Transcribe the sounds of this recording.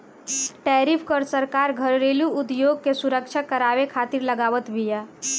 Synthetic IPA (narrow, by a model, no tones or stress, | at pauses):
ʈɛːɾipʰkəɾsəɾkaɾɡʱəɾɾeluʊd̪joɡ̚kesuɾəkt͡ʃʰakəɾaʋekʰat̪iɾləɡaːʋət̪bʱija